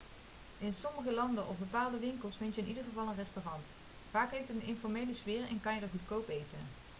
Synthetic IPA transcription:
ɪnsɔməχəlɑndəʔɔfbəpaːlˠdəʋɪŋkəlˠsfɪntjəɪnidəɹχəvɑlˠənrɛstorɑnt | v̥aːkɦejftətənɪnfɔɹmejləsʋɪːrɛ̰nkɑnjədəɹχutkowpejtən

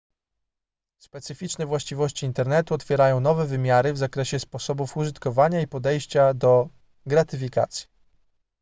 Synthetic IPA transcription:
spɛt̪sɘfʲit͡ʂnɛvwaɕt͡ɕivɔɕt͡ɕiːnt̪ɛɾnɛt̪uɔt̪fʲjɛɾajɔ̃w̃nɔvɛvɘmʲjaɾɘvzakɾɛɕɛspɔsɔbufuʐɘt̪kɔvaɲaipɔd̪ɛjɕt͡ɕad̪ɔ | ɡɾat̪ɘfʲika̰t̪sʲji̥

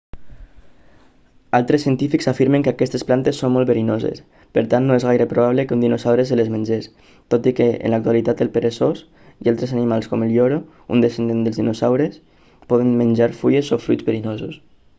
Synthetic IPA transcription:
alˠt̪ɾesːiənt̪ifiksafiɾmeŋkakɛst̪esplant̪esːommɔlˠβeɾinozḛs | pəɾt̪annːoezɣajɾəpɾoβaβləkund̪inosawɾeselezmenʲd͡ʒes | t̪ot̪ikeḛnlak̚t̪ualit̪at̪əlˠpeɾesos | ialˠt̪ɾezanimalˠskɔmelʎɔɾo | ṵnd̪esend̪end̪əlˠzðinosawɾes | pɔðenmənʲd͡ʒaɾfujezofɾujd͡zβeɾinozus

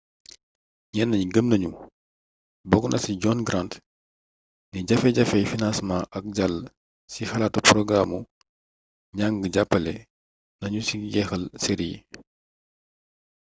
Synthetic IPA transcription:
ɲɛnːɐɲiɡəmnɐɲu | bɔɡnʔɐsiɟɔnɡɾant | niɟɐfɛɟɐfɛjfinansmãʔɐk̚ɟal | sixɐlatuprɔɡɾamu | ɲaŋɡəɟapːɐlɛ | nɐɲusiɡɛxɐlseɾijḭ

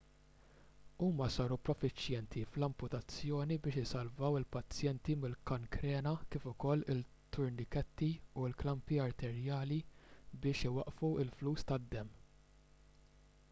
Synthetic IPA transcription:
uːmɐsɐːɾupɾɔfɪt͡ʃjɛnt̪ʰiflɐmpʊt̪ɐt͡sːjɔːnibɪːʃɪsɐlvɐwɪlpɐt͡sːjɛnt̪imɪlkɐŋkɾɛːnɐkɪːfʊkɔlːɪt̪ːʊɾnɪkɛt̪ːiulklɐmpiɐɾt̪ɛɾjɐːlibɪːʃɪwɐʔfuɪlfluːst̪ɐd̪ːɛmː

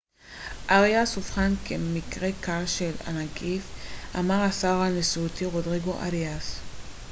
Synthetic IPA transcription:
ʔaʁiasufχankʰemikʁekalʃela̰nakifa̰maʁasaʁanesuut̪iʁodʁiɡoʔa̰ʁias

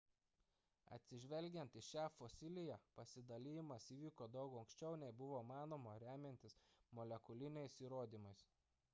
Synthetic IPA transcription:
ɐ̰t̪ʲsʲɪʒʲʋʲɛlʲɡʲɛnt̪ɪʃʲæːfosʲɪlʲɪjæːpɐsʲɪd̪ɐlʲɪjɪmɐsiːʋʲiːkoːd̪ɒʊkɐʊŋksʲt͡ʃʲɛʊnʲɛɪbʊʋoːmɑːnoːmoɾʲæːmʲɛnʲt̪ʲɪsmɔlʲɛkʊlʲɪnʲɛɪsiːɾoːd̪ʲiːmɐɪs

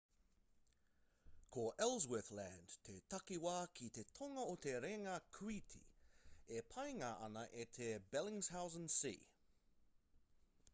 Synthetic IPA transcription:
kʰoʔɛlˠzwɪθlændt̪ʰet̪ʰɐkiwaːkʰit̪et̪ʰoŋɐot̪ʰeɾeŋɐkʰwit̪ʰḭepʰɐjŋɐʔɐ̰nɐʔet̪ʰebɛlɪ̃ŋz̥hawzənsḭː

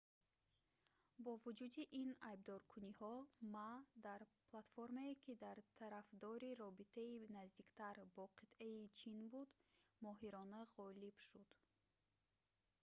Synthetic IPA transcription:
bɔvud͡ʒud̪iʔinajb̚d̪ɔɾkʰunihɔmad̪aɾplˠat̪foɾmeekʰid̪aɾt̪ʰaɾafd̪ɔɾiɾɔbit̪ʰainazd̪ikt̪ʰaɾbɔqʰit̪ʔeit͡ʃʰinbud̪mɔɦiɾɔnaʁɔlib̥ʃud̪̥

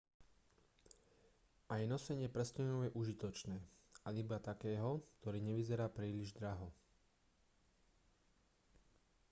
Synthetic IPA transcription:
ʔajnɔsɛɲɪɛpɾɛscɛnɔʊjɛʔuʒit̪ɔt͡ʃnɛːaibat̪akɛːɦɔkt̪ɔɾiːɲɛʋizɛɾaːpɾiːliʒd̪ɾaɦɔ

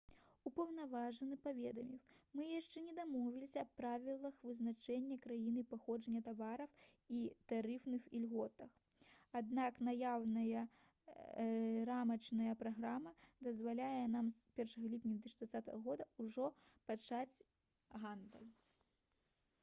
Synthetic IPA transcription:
upɐwnavaʐɐnɨpavʲɛd̪ɐmʲiwmɨjaʂt͡ʂɛnʲɛd̪amɔvʲilʲisʲɐɐpːɾavʲilˠɐxvɨznat͡ʂɛnʲːɐkɾajinɨpaxɔʐɐnʲːɐt̪avaɾɐw | it̪aɾɨfnɨxilʲɣɔt̪ɐx | ad̪naknajawnɐjɐ | ɾamɐt͡ʂnɐjɐpɾaɣɾamɐd̪ɐzvalʲajɐnamspʲɛrʂɐɣɐlʲipʲnʲɐvʲɛt̪ɨiʂd̪vatsʲat̪ɐɣɐɣɔd̪ɐuʐɔpat͡ʂat͡sʲ | ɣand̪ɐlʲ

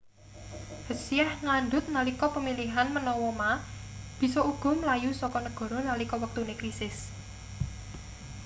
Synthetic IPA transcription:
həsiahŋanɖ̪ʊt̪̚nalikɔpəmiliɦanmənɔwɔma | b̥i̤sɔuɡ̥ʊ̤mlajusɔkɔnəɡ̥ɔ̤ɾɔnalikɔwək̚t̪unekɾisɪs

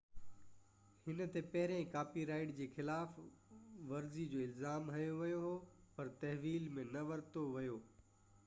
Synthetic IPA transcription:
hɪnə̆t̪epɐɦɪɾẽkaːpiɾaːɪʈd͡ʑeːxɪlaːf | ʋɐɾzid͡ʑoːɪlzaːmɦɐjoʋɐjoɦoːpɐɾt̪ɐɦʋiːlmẽnɐʋɐɾt̪oʋɐjoː

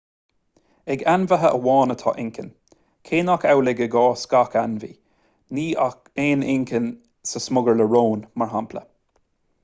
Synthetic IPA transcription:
ɛɡanvəɦəʔəwɔːnət̪ʰɔ̰ːʔɪŋkʰə̰n | kʰeːnakawlɪɡəɡɔːskakanvḭː | niːakeːnɪŋkʰən | səsmʊɡəɹləɹoːnmaɹɦampʰlə̰

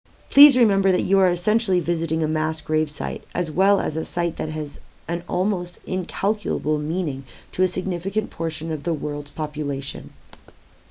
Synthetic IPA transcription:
pʰl̥izɹɨmɛ̃mbə˞ðɨt͡ʃɨə˞ɨsɛ̃nʃl̩ˠivɪzɨɾɪ̃ŋɨmæsɡ̥ɹeɪv̥sa̰ɪɾʔɨ̰zwɛlˠə̰zɨsaɪt̪̚ðɨt̚ɦɨzɨ̃nɔ̰lˠmoʊstɪ̃nkʰælˠkʰjl̩ˠə̰bl̩ˠmĩnɪ̃ŋtʰɨːsɨɡ̚nɪfɨkɨ̃npʰɔɹʃɨ̃nʌvðəwɜ˞lˠdz̥pʰɑpjɨleɪʃɨ̰̃n

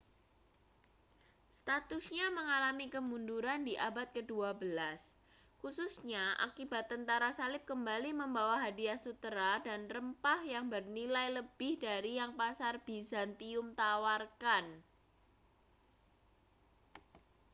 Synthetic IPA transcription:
st̪at̪usɲaməŋalamikəmunduɾandiʔabat̪̚kəduabəlas | kususɲaʔa̰kibat̪ːənt̪aɾasalɪp̚kəmbaliməmbawaɦadiasut̪əɾadanrəmpahjaŋbərnilajləbɪhdaɾijaŋpasarb̥izant̪iʊmt̪awarkan

